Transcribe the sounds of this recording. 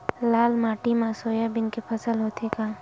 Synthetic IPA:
laːlmaːʈimãsoːjabɪnkepʰɐsəlɦoːt̪ʰekaː

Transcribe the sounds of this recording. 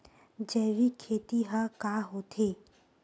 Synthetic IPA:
d͡ʒɛːʋikʰeːt̪iɦãkaːɦoːt̪ʰeː

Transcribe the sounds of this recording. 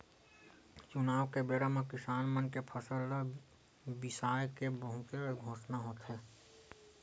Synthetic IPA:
t͡ʃʊnaːʋkebeːɾəmẽkɪsaːnmənkepʰəsəlːa | bɪsaːjkebəɦũkeɡʱoːʃnaɦoːt̪ɦɛː

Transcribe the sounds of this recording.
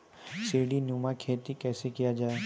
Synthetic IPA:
seːɖinuːmakʰeːt̪ikɛːsekijad͡ʒaːe

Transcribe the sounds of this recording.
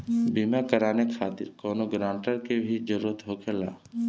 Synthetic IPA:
biːmakəɾaːnekʰaːt̪ɪ̰ɾkɔːnoɡɾãːɳʈəɾkebʱid͡ʒəɾuːɾət̪ɦoːkʰela̰ː

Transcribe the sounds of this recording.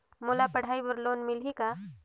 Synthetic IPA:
moːlapɐɽ̤aːibəɾloːnmɪlɦika

